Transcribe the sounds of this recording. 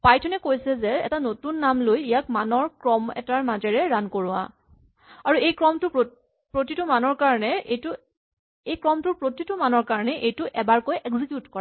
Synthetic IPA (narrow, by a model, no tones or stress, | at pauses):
pajtʰʊnɛkojsɛzɛɛ̰tanotunːamlojijak̚manɔɹkɹɔmɛ̰taɹmazɛɹɛɹankoɹʊwa̰ | aɹuejkɹɔmtʊ | pɹotitʊmanɔɹkaɹɔnɛejtʊ | ejkɹɔmtʊɹpɹotitʊmanɔɹkaɹɔnɛʔejtʊʔɛbaɹkojʔɛkzikjutkɔɹa